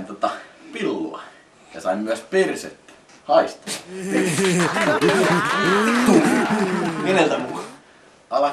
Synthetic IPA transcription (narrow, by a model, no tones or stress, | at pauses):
nt̪ot̪ɑpilːo̰ɑ̰ | jɑsɑimmyæspersḛt̪ː | hɑist̪ɑ̥es | u | enelt̪æmu | ɑlɑ